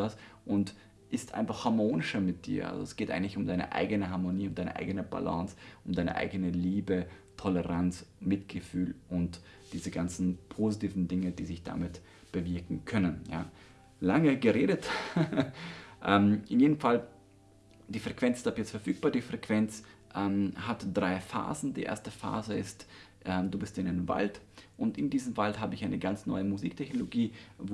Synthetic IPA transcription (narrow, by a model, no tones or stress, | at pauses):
as | ʔʊnt | ʔɪstʔa̰ɪnfaχhaɐmoːnɪʃɐmɪt̚d̥ḭːɐʔa̰lzo̰ɛsɡ̥eːtʔa̰ɪɡŋ̩tlɪçʊmdaɪnə̰ʔa̰ɪɡənəɦaɐmoniːʊntd̥aɪnə̰ʔa̰ɪɡənəba̰lã̰ːsʔʊmdaɪnə̰ʔa̰ɪɡənəliːbətʰɔləʁansmɪtɡ̥əfyːlʔʊnt | d̥iːzəɡant͡sn̩pʰozitiːvn̩dɪŋədiːzɪçd̥a̰mɪt | b̥əvɪɐkŋ̩kʰœnənja̰ː | laŋəɡəʁeːdət | ʔɛmɪnjeːdəmfal | d̥iːfʁ̥ɛkv̥ɛnt͡sɪstaːpjɛt͡stfɛɐfyːk̚b̥aːɐdiːfʁ̥ɛkv̥ɛnt͡sʔɛːmhatd̥ʁaɪfa̰ːzn̩dḭːʔḛːɐstəfa̰ːzəɪstʔɛduːbɪstɪnaɪnva̰ltʔʊntɪndiːzəmvaltɦaːbəɪçaɪnəɡant͡snɔ̰ʏəmuziːk̚tʰɛçnoloɡiːv